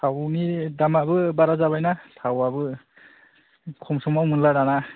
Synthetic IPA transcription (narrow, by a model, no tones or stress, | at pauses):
tʰawnidamabɯbaɾazaβajnatʰawabɯ | kʰɔmsɔmawmɯnlaɾana